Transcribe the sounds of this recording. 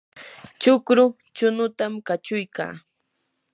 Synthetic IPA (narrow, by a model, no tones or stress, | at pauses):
t͡ʃʊkɾʊ | t͡ʃʊnʊt̪amkat͡ʃʊjka̰ː